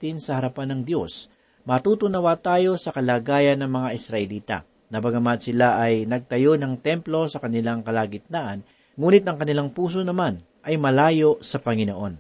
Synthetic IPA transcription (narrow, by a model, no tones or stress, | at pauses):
t̪ɪnsɐhɐɾɐpanːɐŋd̪jo̞s | mɐt̪uːt̪ʊnɐwat̪aːjo̞sɐkɐlaːɡaːjɐnːɐŋmɐŋaʔɪsɾɐʔɛliːt̪ɐ̰ | nɐbɐɡɐmat̪̚sɪlaʔɐjnɐɡ̚t̪ɐjo̞nɐŋt̪ɛmplo̞sɐkɐnɪlaŋkɐlaːɡɪt̪̚naːʔɐn | ŋuːnɪt̪̚ɐŋkɐnɪlaŋpuːs̬onɐman | ʔɐjmɐlaːjo̞sɐpɐŋɪnoʔo̞n